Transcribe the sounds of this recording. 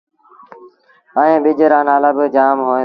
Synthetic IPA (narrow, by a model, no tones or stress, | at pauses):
əẽːɓɪd͡ʒəɾaːnaːlaːbɪd͡ʒaːmɦõː